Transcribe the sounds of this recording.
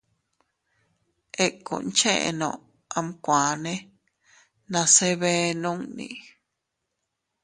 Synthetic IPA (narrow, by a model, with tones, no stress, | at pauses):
e˦kṵ˨nt͡ʃẽ˦ʔḛ˨nõ̰˨ | a˧mkʷã˨nẽ˦ | nã˧se˦βe˦nũ˦ŋnḭ̃˧˨